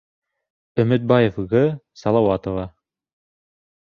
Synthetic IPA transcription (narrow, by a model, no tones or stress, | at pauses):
ɵ̆mɘ̆t̪̚bɑjefʁɤsɑlˠɑwɑt̪ovɑ